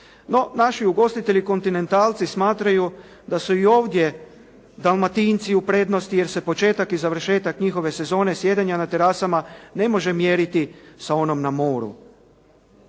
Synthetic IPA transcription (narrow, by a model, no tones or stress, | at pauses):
no̞naʃiuɡo̞st̪it̪e̞ʎiko̞nt̪ine̞nt̪aːlt̪sismaːt̪ɾaju | d̪asuio̞ːʋd̪je̞ | d̪alˠmat̪int̪siupɾe̞d̪no̞st̪ije̞ɾse̞po̞t͡ʃe̞ːt̪akizaʋr̩ʃe̞ːt̪akɲixo̞ʋe̞se̞zo̞ːne̞sje̞d̪eɲanat̪e̞ɾasamane̞mo̞ʒe̞mje̞ɾit̪isao̞no̞mnamo̞ːɾṵ